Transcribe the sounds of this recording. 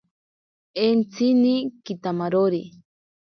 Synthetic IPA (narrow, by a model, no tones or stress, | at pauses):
ent͡sinikit̪amaɾoɾi